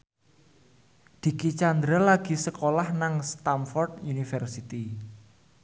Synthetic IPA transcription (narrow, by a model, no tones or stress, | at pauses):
d̪̥i̤kit͡ʃand̪ɾalaɡ̥i̤səkolahnaŋst̪amfɔrd̪junifɛrsit̪i